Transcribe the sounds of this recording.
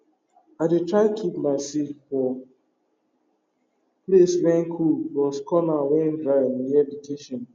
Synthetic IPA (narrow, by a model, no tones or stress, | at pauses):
aɪdetɾaɪkʰipmaɪsitfɔ | pleswɛ̃ŋkʰubɔskɔnawɛ̃ndɾaɛnjɛbiteʃɔ̃n